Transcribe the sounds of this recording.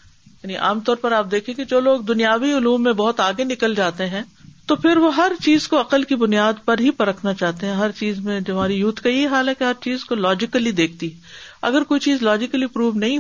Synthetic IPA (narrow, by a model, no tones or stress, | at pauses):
jaːniʔa̰ːmt̪ɔːɾpɐɾaːp̚d̪eːkʰẽked͡ʒoːloːɡ̚d̪ʊnijaːʋiʊluːmːẽbɐɔɦʊt̪aːɡenɪkəld͡ʒaːt̪eɦɛ̃ːt̪opʰɪɾʋoɦɐɾt͡ʃiːzkoɐqəlkibʊnijaːd̪pɐɾɦipɐɾəkʰnat͡ʃaːɦt̪eɦɛ̃ɦɐɾt͡ʃiːzmẽd͡ʒɐmaːɾijuːt̪ʰkajeɦaːlɦɛkeɦɐɾt͡ʃiːzkolɔːd͡ʒɪkəlid̪eːkʰt̪iɦɛ̃ɐ̰ɡəɾkoːit͡ʃiːzlɔːd͡ʒɪkəlipɾuːʋnɐɦĩ